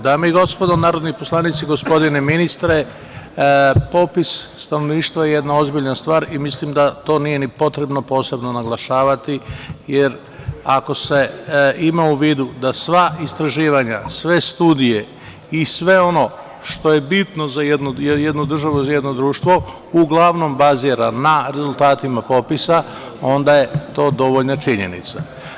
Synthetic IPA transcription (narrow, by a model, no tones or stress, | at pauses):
d̪aːmeiɡo̞spod̪onaːɾo̞d̪niposlˠanit̪siɡo̞spo̞d̪ine̞minist̪ɾe̞ | po̞pisːt̪anoʋniːʃt̪ʋajeje̞d̪nao̞zbiʎnast̪ʋaːɾimislimd̪at̪o̞ːnije̞nipo̞t̪ɾe̞bno̞po̞ːse̞bno̞naɡlˠaʃaːʋat̪ijeɾ | ako̞se̞imauʋiːd̪ud̪asʋaist̪ɾaʒiːʋaɲasʋe̞st̪uːd̪ije̞ | isʋe̞o̞no̞ | ʃt̪o̞je̞bit̪no̞zajed̪nujjed̪nud̪r̩ʒaʋuzaje̞d̪nod̪ɾuːʃt̪ʋo̞ | uɡlˠaʋno̞mbaziːɾanaɾe̞zulˠt̪aːt̪imapo̞pisa | o̞nd̪aje̞t̪o̞ːd̪o̞ʋoʎnat͡ʃiɲe̞nḭt̪sa